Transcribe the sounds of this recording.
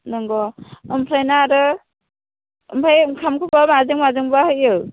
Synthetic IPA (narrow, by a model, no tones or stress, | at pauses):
nɔŋɡɔɯmpʰɾajnaɾɯ | ɯmpʰajkʰamkʰɯbamazɯŋmazɯŋbahɯjɯw